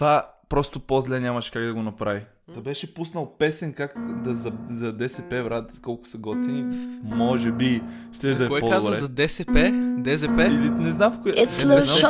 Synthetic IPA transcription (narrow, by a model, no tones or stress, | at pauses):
t̪vapɾɔst̪opozlɛnʲamɐʃkaɡd̪ɐɡonɐpɾavi | t̪ɐbɛʃɛpusnɐlˠpɛsɛnkakd̪ɐzɐzɐd̪ɛsɛpɛvɾad̪t̪kɔlˠkʊ̥sɐɡɔt̪inimɔʒɛbiʃt̪ɛʒd̪ɐɛɔɛpkazɾɛzɐd̪ɛsɛpɛd̪ɛzɛpɛilinɛznamfkoɛɛɛ